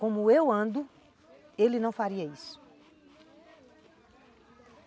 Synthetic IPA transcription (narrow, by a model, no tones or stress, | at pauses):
kõmʊewɐ̃nd̪ʊ | elɪnɐ̃w̃faɾiɐisʊ̥